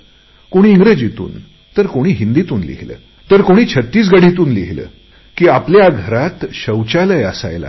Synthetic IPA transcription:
koɽ̃iːŋɡɾəd͡ʑit̪ṵːn | t̪əɾkoɽ̃iːɦind̪it̪uːnlḭɦlə̰ː | t̪əɾkoɽ̃iːt͡ɕʰət̪ːiːs̬ɡaɽit̪uːnliɦlə̰ː | kiːapljaɡʱəɾat̪ɕəwt͡ɕaləjəsa̰jla̰

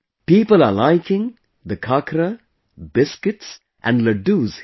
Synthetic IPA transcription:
piːpəlalaɪkɪ̃ŋ | d̪əkʰakɾə | bɪskɪʈs | ʔæ̰̃nləɖuːz̥

